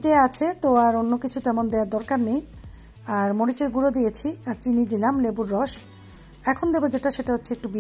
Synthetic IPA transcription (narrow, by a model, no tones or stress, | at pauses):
d̪eaat͡ɕʰet̪oaɾonːokit͡ɕʰut̪ɛmond̪eaɾd̪ɔɾkaɾnej | aɾmoɽit͡ɕeɾɡuɾod̪ijet͡ɕʰiaɾt͡ɕinid̪ilamlebuɾːɔʃ | ɛkʰond̪ebod͡ʑeʈaʃeʈaɦotːɕʰeek̚ʈubi